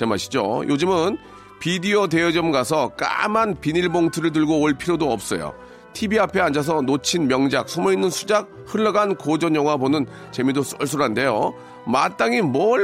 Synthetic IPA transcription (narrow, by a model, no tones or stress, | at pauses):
t͡ɕemaɕʰi̥d͡ʑo̰jʔod͡ʑɯmɯn | pidiode̞ʌd͡ʑʌmɡasʰʌk͈a̰manpiniɭboŋtʰɯɾɯɭdɯɭɡoːɭpʰiɾodoʌp̚s͈ʌjo̰ | tʰibiapʰe̞and͡ʑas̬ʰʌnot͡ɕʰinmjʌŋd͡ʑak̚sʰumʌinːɯnsʰud͡ʑak̚ | hɯɭːʌɡankod͡ʑʌɲjʌŋwabonɯn | t͡ɕe̞midos͈ʌɭs͈ʰuɾɦande̞jo̰ | mat͈aŋimwʌ